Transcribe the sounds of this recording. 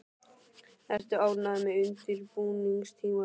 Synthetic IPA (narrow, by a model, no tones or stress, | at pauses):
ɛr̥t̪ʏaːwnaðmɛʏnt̪ɪɾpuːniŋst̪ʰiːma